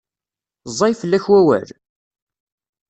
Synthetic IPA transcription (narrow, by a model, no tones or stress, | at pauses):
zˤːɑjfəlːæçwæwæ̰l